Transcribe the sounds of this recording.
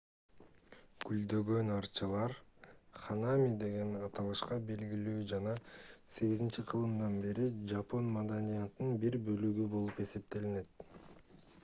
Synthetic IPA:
ɡ̥yld̪ø̞ɡø̞nɑɾt͡ʃɯlˠɑɾχanamʲid̪e̞ɡe̞nɑt̪ɑlˠɯʃqɑbe̞lɡʲilyːd͡ʒɑnɑse̞ɡizint͡ʃiqʰɯlˠɯmd̪ɑnbe̞ɾid͡ʒapo̞nmad̪anʲijat̪ːɯnbiɾbø̞lyɡybo̞lˠupe̞se̞p̚t̪e̞line̞t̪̚

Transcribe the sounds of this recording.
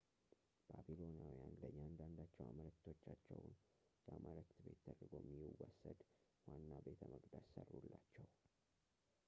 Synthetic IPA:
b̥abilo̞njawijanləɲːand̪and̪at͡ʃːɛwa̰mələkt̪ʰo̞t͡ʃːat͡ʃːɛwn | bəamʔələkt̪be̞t̪ːʰəd̪ɾɡo̞mːiwɔsːəd̪ | wanːabe̞t̪ʰəməɡd̪assərːulːat͡ʃːɛw

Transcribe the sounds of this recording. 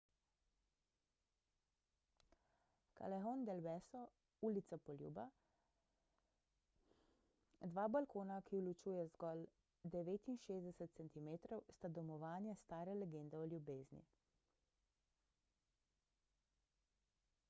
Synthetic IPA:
ka̰lɛɦond̪ɛlbɛsɔ | ulit̪sapɔljṵːba | d̪ʋaːbalkoːnakiwlut͡ʃuːjɛzɡɔːl | d̪ɛʋeːt̪inʃeːzd̪ɛsɛt̪̚sɛnt̪imeːt̪ɾɔwst̪ad̪ɔmɔʋaːnjɛst̪aːɾɛlɛɡeːnd̪ɛɔljubeːznḭ

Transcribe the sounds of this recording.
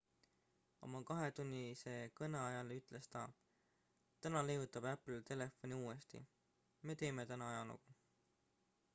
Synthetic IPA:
o̞̰mɑkɑɦe̞t̪unʲːise̞kɤneɑjɑleyt̪ˑle̞st̪ɑ | t̪ænɑlejut̪ːˑɑb̥æpːlt̪e̞le̞fo̞nʲiuːest̪ḭ | me̞ːt̪e̞ːme̞t̪ænɑɑjɑnṵku

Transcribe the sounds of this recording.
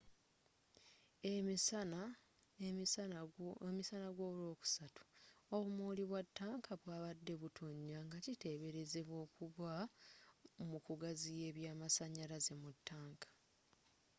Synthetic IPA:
eisana | misanaɡwoːβulo̞ːku̥satu̥oβumoːliβwatːaːŋkʰaβwaːβadːe̞βutʰo̞ɲːaŋɡacite̞ːβe̞ɾe̞ze̞βwo̞ːkuβwa | mukuɡazije̞ːβjaːmasaɲaɾaze̞mutːaːŋkḁ

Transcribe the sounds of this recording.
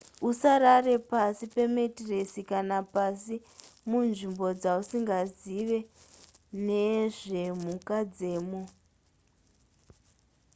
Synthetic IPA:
usaɾare̞pasipe̞metiresikanapasi | munʐimbo̞d͡zausiŋɡaziʋe̞ | neʐe̞mukad͡ze̞ːmo

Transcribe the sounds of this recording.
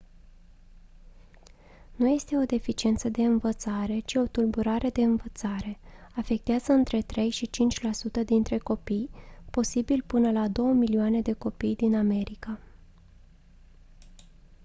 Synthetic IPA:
nuje̞st̪e̞o̞d̪e̞fit͡ʃie̞nt̪səd̪e̞ɨnvət̪saɾe̞t͡ʃio̞t̪ulbuɾaɾe̞d̪e̞ɨnvət̪saɾe̞afe̞k̚t̪eazəɨnt̪ɾe̞t̪ɾe̞jʃit͡ʃint͡ʃʲlasut̪əd̪int̪ɾe̞ko̞pijpo̞sibilpɨnəlad̪o̞wəmilioane̞d̪e̞ko̞pijd̪iname̞ɾika

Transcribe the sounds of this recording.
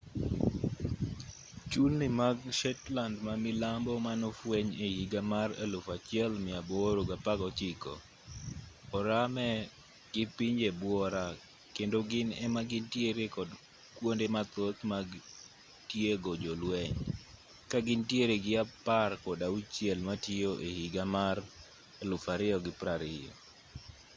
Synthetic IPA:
t͡ʃulnɪmaɡʃɛtlandmamɪlambɔmanɔfwɛɲehiɡamara̰lofat͡ʃɪɛlmɪaboɾoɡapaɡɔt͡ʃɪkɔ̰ | ɔɾamɛ | ɡ̥ɪpiɲd͡ʒebwɔɾa | kendoɡɪnɛmaɡɪntjeɾekɔd | kwondemat̪ot̪maɡ | tjeɡod͡ʒolwɛɲ | kaɡɪntjeɾeɡɪaparkɔdaut͡ʃjɛlmatɪoʔehiɡamar | elʊfaɾɪɔɡɪpɾaɾɪɔ̰

